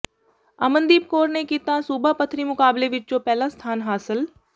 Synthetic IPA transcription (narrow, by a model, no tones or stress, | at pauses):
a̰mə̃nd̪iːp̚koːɾnekiːt̪asuːbʱapət̪ʰɾimʊkaːbleʋɪt͡ʃt͡ʃopɛːlast̪ʰaːnɦaːsɪl